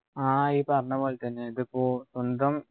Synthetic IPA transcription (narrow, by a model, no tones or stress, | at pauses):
aːiːpɐɾɐɳɐpoːlet̪ɐnːeiðɨpoːsond̪ɐm